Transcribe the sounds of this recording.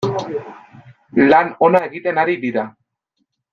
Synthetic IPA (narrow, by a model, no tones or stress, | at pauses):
lano̞nae̞ɣit̪e̞naɾid̪iɾa